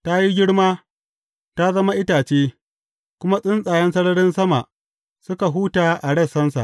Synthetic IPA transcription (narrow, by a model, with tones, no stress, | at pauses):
ta˦ji˦ɡʲɪ˦ɽmaː˦ | ta˦zɐ˦ma˦ʔɪ˦taː˨t͡ʃeː˦ | kʷʊ˦ma˦sʼɪ˦nsʼaː˨jɐ˦nsɐ˦ɽɐ˦ɽɪ˦nsɐ˦ma̰˨ʔ | sʊ˦ka˨ɦuː˦taː˨ʔa˨ɽɐ˦˨sɐ˦nsa̰˨